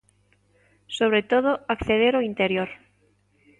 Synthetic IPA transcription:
soβ̞ɾet̪oð̞oakθeðeɾoint̪eɾjoɾ

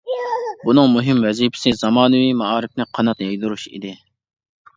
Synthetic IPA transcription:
bunɨŋmuɦɪmvɛzipʰɪ̥sɪzɑmɑːnɨwimɑɑːɾɪfnɪqʰɑnɑt̪jɑjd̪uɾuʃḭd̪ɪ

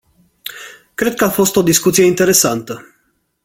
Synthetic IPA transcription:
kɾe̞d̪̚kəafo̞st̪o̞d̪iskut̪sijeint̪e̞ɾe̞sant̪ə

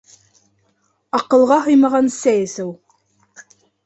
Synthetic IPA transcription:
ɑqɤ̆lˠʁɑɦɤjmɑʁɑnsæjɘsɘwˠ

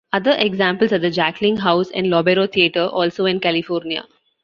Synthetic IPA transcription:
ʌd̪əɾʔeɡzãːmpəlsaːd̪əd͡ʒæklɪ̃ŋɡɦaʊsɛ̰̃ɳɖlɔːbeɾoːt̪ʰieʈəɾʔɔːlsoːɪ̃nkælɪfɔːɾnia̰

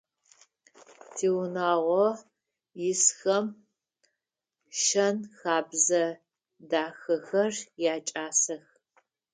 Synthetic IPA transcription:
tʰeːwnaːʁʷɔ | jɪsxɐm | ʃɐnxaːbzɐ | daːxɐxɐrjaːt͡ʃʼaːsɐx

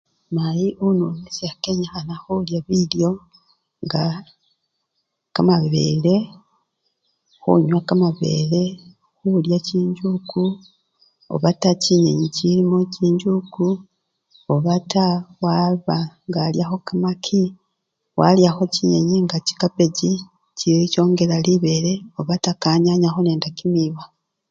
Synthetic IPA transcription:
majiʔununisakeɲaxanaxuljaβiljo̞ | ŋɡa | kamaβḛle̞ | xṵɲwakamaβe̞̰le̞ | xuljaciːɲɟuku | o̰βataciɲeɲicilimociːɲɟuku | oβatawaβaŋɡaljaxo̞kamakʰi | wa̰ljaxo̞ciɲḛɲiŋɡaci̥kape̞ɟi | cico̞ːŋɡe̞laliβe̞ɾe̞o̞βatakaːɲaɲaxone̞ːndakimiβa

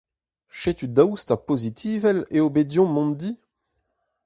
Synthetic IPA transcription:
ʃet̪yd̪awst̪apozit̪ʰiːvɛleobed̪jɔ̃mɔ̃nd̪i

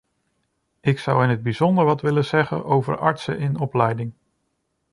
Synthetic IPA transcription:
ɪksʌwɪnəd̚bizɔndəɹʋɑtʋɪləz̥ɛχə̰nʔowvə̰ɹɑ̰ɹtsə̰ʔɪnɔplɛjdɪŋ

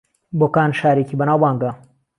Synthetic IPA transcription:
boːkaːnʃaːɾekiːbɐnaːwbaːŋɡɐ

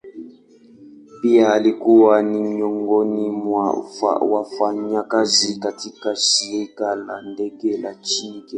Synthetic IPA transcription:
biaːlikuwaniɲɔŋɡɔnimwa̰fa̰wafaɲakazikatikasiɛkala̰ndɛɡɛlat͡ʃikɛ

